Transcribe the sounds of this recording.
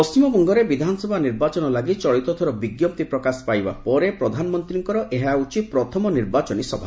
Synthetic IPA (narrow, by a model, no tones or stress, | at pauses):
pɔst͡ʃimɔbɔŋɡɔɾebid̪ʱanɔsɔbʱaniɾbat͡ʃɔnɔlaɡit͡ʃɔɭit̪ɔt̪ʰɔɾɔbiɡjɔp̚t̪ipɾɔkaspajba̰pɔɾepɾɔd̪ʱanɔmɔnt̪ɾiŋkɔɾɔʔeɦaut͡ʃipɾɔt̪ʰɔmɔniɾbat͡ʃɔnisɔbʱa